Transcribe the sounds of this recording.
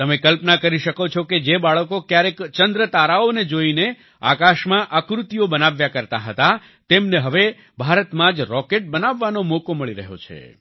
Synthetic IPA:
t̪əmekəlpnakəɾiʃəkot͡ʃʰoked͡ʒebaɭəkokjaɾekt͡ʃənd̪ɾət̪aɾaoned͡ʒoine | a̰kaʃmãʔakɾut̪iobənaʋjakəɾt̪aɦət̪a | t̪emneɦəʋe | bʱaɾət̪mãd͡ʒɾɔkeʈ̚bənaʋːanomokoməɭiɾə̰ɦo̰t͡ʃʰḛ

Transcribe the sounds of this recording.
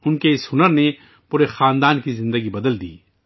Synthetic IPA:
ʊnkeɪsɦʊnəɾne | puːɾexaːnd̪aːnkizɪ̃nd̪əɡibɐd̪əld̪ḭː

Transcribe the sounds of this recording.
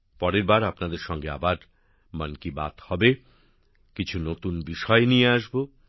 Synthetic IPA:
pɔɾeɾbaɾapnad̪eɾʃɔŋɡea̰baɾ | mankiba̰t̪hɔbe | kit͡ɕʰunot̪unbiʃɔenieaʃbo

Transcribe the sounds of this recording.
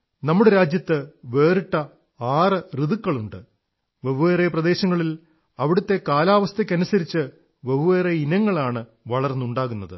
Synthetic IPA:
nɐmːuɽeɾaːd͡ʑjɐt̪ːɨʋe̞ːriʈːɐ | aːrɨriðukːɐɭuɳɖɨ | ʋeʋuʋeːreprɐd̪e̞ːɕɐŋːɐɭil | ɐʋiɽut̪ːe̞kaːlaːʋɐst̪ʰɐkʲːɐnusɐɾit͡ɕːɨ | ʋeʋuʋeːreinɐŋːɐɭaːɳɨ | ʋɐɭɐrnːuɳɖaːɣunːɐðɨ̰

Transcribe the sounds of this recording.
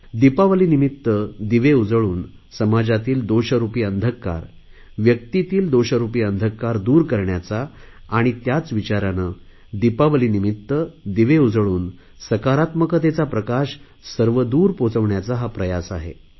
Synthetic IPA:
d̪ipaʋəlinimit̪ːəd̪iʋeud͡zəɭuːn | səmad͡zat̪iːld̪oɕəɾupiːənd̪ʱəkːa̰ɾ | ʋjək̚t̪it̪iːld̪oɕəɾupiːənd̪ʱəkːaɾd̪uːɾkəɾɳjat͡saː | ɽ̃it̪jat͡sʋit͡ɕaɾanə | d̪ipaʋəlinimit̪ːəd̪iʋeud͡zɭuːn | səkaɾat̪məkət̪̬et͡sapɾəkaɕ | səɾʋəd̪uːɾpot͡səʋɳjat͡saɦapɾəjasa̰ɦḛ

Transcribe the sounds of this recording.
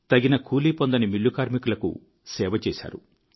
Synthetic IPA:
t̪ɐɡinɐkʰuːliːpɔnd̪ɐnimilːukaːɾmikulɐkṵ | sɛːʋɐt͡ʃeːsa̰ːɾu

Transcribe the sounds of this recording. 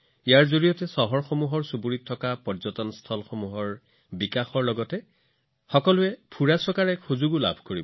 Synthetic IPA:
ijaɹzoɹijɔtɛsɔɦɔɹxomuɦɔɹsubuɹitʰːɔkapɔzɔtɔnstʰɔlxomuɦɔɹ | bikaxɔɹlɔɡɔtɛ | xɔkɔlʊɛpʰuɹasɔkaɹɛxuzuɡula̰bʱkoɹibɔ

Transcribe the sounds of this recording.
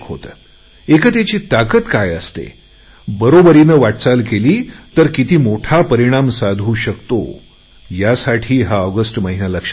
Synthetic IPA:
ɦo̰t̪ | ekət̪at͡ɕiːt̪akət̪kajəst̪ḛ | bəɾobəɾinəʋaʈt͡salkeliːt̪əɾkit̪iːmoʈʰapəɾiɽ̃amsad̪ʱuːɕəkt̪o̰ | jasaʈʰiːɦaəɡəsʈməɦinaləkʂ

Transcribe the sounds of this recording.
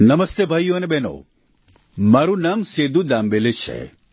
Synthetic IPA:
nɐmɐst̪ebʱaːjoɐnebeno̰ː | maɾunamseːd̪ud̪aːmbelet͡ʃʰḛ

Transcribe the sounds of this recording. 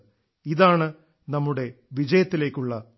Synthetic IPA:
iðaːɳɨ | nɐmːuɽe̞ʋid͡ʑɐjɐt̪ːile̞ːkʲːuɭːɐ

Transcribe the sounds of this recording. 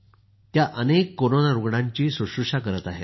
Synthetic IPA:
t̪jaʔənekːoɾonaɾuɡɽãɲt͡ɕiːsuɕuʂakəɾət̪aɦe

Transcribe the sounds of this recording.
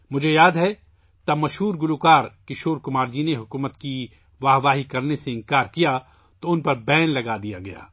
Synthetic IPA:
mʊd͡ʒʱejaːd̪ɦɛ | t̪ɐbmɐʃɦuːɾɡʊlukaːɾkɪʃoːɾkʊmaːɾd͡ʒiːneɦʊkuːmət̪ki | ʋaːɦʋaːɦikɐɾneseɪ̃ŋkaːɾkija | t̪oʊnpɐɾbɛːnlɐɡad̪ijaɡɐja̰ː

